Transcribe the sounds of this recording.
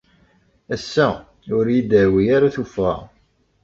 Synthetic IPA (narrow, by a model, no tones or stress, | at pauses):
æsːæ | ʊɾjid̪əɾwijaɾaθufæ